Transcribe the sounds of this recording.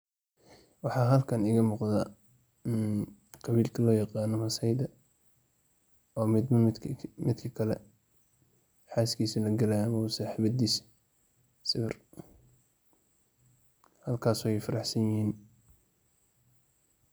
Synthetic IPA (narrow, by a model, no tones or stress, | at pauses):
wɑħɑːɦɐlkʰɐnɪɣɐmʊqðaː | qɑβiːlkʰɐlɔːjɑqɑːnɔmɐsɐjd̪ɐ | ɔːmɪd̪mɐmɪd̪kʰɐkʰɐlɛ̰ | ħɑaːskʰiːsɐlɐɡɐlɐjmɐʊsaːħɪβɐd̪iːs | sɪβɪr | hɐlkʰaːsɔjɛjfɐɾɑħsɐnjɪhiːn